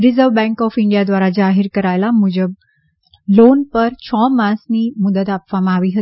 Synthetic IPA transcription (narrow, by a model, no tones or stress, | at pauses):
ɾizəʋbɛ̃ŋkɔfiɳɖijad̪ʋaɾad͡zaɦiɾkəɾajlamud͡ʑəb | lonpəɾt͡ɕʰɔmasniːmud̪ət̪apʋamaaʋiːɦət̪